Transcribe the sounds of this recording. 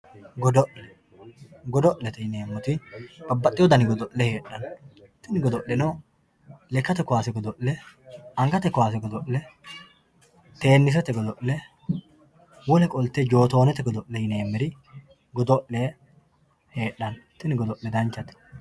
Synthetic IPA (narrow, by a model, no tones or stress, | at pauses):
ɡɔd̪ɔʔlɛ | ɡɔd̪ɔʔlɛt̪ɛjɪneːmːʊt̪ɪb̥ɐbːɐt̪ʼːɪjɔd̪ɐnɪɡɔd̪ɔʔlɛhe̞ːʔɐnt̪ɪnɪɡɔd̪ɔʔːɛno | lɛkːɐt̪ɛkːʊwaːsɛɡɔd̪ɔʔːɛɐŋɡɐt̪ɛkːʊwaːsɛɡɔd̪ɔʔlɛ | t̪e̞ːnːɪs̬ɛt̪ɛɡɔd̪ɔʔlɛ | wɔlɛkʼɔlt̪ɛd͡ʒo̞ːt̪o̞ːnɛt̪ɛɡɔd̪ɔʔːɛjɪne̞ːmːɛɾɪ | ɡɔd̪ɔʔleː | he̞ːɗːɐnt̪ːɪnɪɡɔd̪ɔʔlɛd̪ɐnt͡ʃːɐt̪ɛ̥